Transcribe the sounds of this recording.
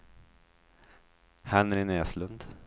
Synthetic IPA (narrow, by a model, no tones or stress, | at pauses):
hænæɾɪnɛːslɵnd̪